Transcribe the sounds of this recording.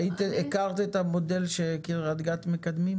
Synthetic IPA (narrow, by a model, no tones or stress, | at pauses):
it̪iekaʁt̪et̪amo̞d̪elʃekiʁad̪ɡat̪mekad̪mim